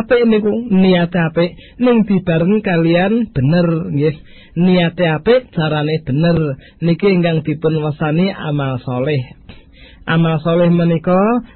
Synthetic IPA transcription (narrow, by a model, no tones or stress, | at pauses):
pɪʔnikuniat̪eapɪʔnɪŋd̪̥i̤b̥a̤ɾəŋkalianb̥ə̤nərŋɡɪh | niat̪eapɪʔt͡ʃaɾaneb̥ə̤nər | nikiŋɡaŋd̪̥i̤pʊnwasaniʔa̰malsɔlɪh | ʔamalsɔlɪhmənikɔ